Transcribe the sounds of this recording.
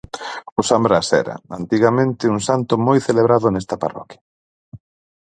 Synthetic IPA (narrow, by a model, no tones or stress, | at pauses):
ʊsambɾasɛ̰ɾɐ̰ant̪iɣamẽnt̪ɪuŋsant̪ʊmojθeleβɾaðʊnɛst̪ɐpa̰rɔ̰kja